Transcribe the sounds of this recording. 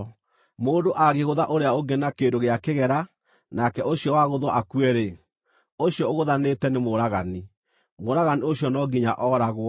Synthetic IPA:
moːndoʔaɣeɣoðaʔoɾeaoɡenakedoɣeakeɣɛɾa | nakɛʔoɕjɔwaɣoðwɔʔakuɛɾe | oɕjɔoɣoðanetɛnemoɾaɣani | moɾaɣanioɕjɔnɔɡiɲaʔɔːɾaɣwɔ

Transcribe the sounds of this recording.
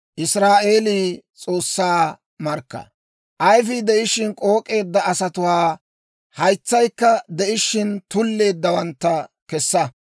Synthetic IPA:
ʔɪsɾaːʔe̞ːliːt͡sʼo̞ːsːaː | mɐɾkːɐ̰ | ʔɐjfɪd̪ɛʔɪʃɪnkʼoːkʼe̞ːd̪ːɐɐsɐt̪ʊwaː | hɐjt͡sːɐjkːɐd̪ɛʔɪʃɪnt̪ʊlːe̞ːd̪ːɐwɐnt̪ːɐkɛsːɐ

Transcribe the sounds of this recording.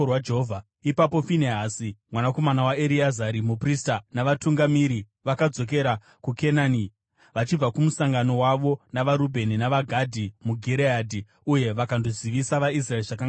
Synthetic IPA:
wad͡ʒeɦova | ipapo̞fineɦasimwanako̞manawaeɾiazaɾimupristanaʋatuŋɡamiɾi | ʋakad͡zo̞k̬e̞ɾa | kukenani | ʋat͡ʃib͡vakumusaŋɡano̞waʋo̞naʋaɾubʱe̞ninaʋaɡʱadʱimuɡʱiɾeadʱi | uje̞ʋakandoziʋisaʋais̬raeriʐakaŋ

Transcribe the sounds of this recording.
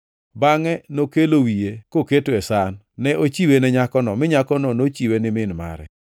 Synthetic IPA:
baŋɛnokelowijekoketoɛsanː | ɛʔot͡ʃiwenɛɲakɔnɔmɪɲakɔnɔnot͡ʃiwenɪmɪnma̰ɾɛ̰

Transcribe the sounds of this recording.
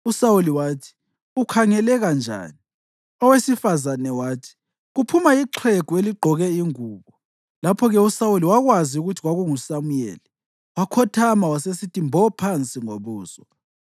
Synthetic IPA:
usawuliwaːtʰi̥ | ukʰaŋɛlɛɣand͡ʒʱa̰ːni | ɔwesifazanɛwaːtʰi̥ | ɣupʰumaiǁʰweɡ̥ʱueliɡ͡ǃʱɔɣɛiŋuːβɔ | lapʰɔɣɛusawuliwaɣwaziuɣutʰiɣwaɣuŋusamujḛli | wakʰɔtʰamawasesitʰimbʱɔpʰant͡sʼiŋoβuːsɔ

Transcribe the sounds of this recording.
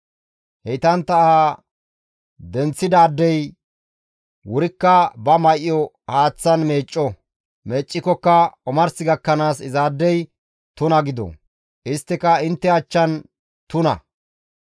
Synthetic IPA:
hɛjt̪ɐnt̪ɐ | d̪ɛnt͡sːɪd̪aːd̪ːɛj | wʊɾɪkːɐbɐmɐjʔjɔ | haːt͡sːɐnmeːt͡ʃʼːɔ | meːt͡ʃʼːɪkːɔkːɐɔmɐɾsɪɡɐkːɐnaːsɪzaːd̪ːɛj | t̪ʊnɐɡɪd̪ɔ̰ | ʔɪst̪ːɪkɐɪnt̪ːɛɐt͡ʃːɐn | t̪ʊnɐ̰

